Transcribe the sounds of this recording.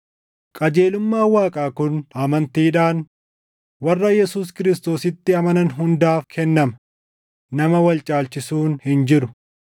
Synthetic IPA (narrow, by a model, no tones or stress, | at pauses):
kʼɐd͡ʒe̞ːlʊmːaːwaːkʼaːkʊnɐmɐnt̪iːᶑaːn | wɐrːɐjɛsuːs̬kɪɾɪs̬t̪o̞ːsɪt̪ːɪɐmɐnɐnɦʊnd̪aːfkʰɛnːɐmɐ | nɐmɐwɐlt͡ʃʼaːlt͡ʃɪsuːnhɪnd͡ʒɪɾʊ